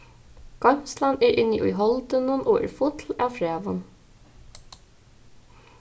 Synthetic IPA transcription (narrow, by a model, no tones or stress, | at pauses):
ɡ̥ɑmslɑnæːɾʔɪnḭʔʊ̰ɦɔld̪ənənʔoːʔḛːɹfʊt̪ʰl̩ɑːfɹæːʋən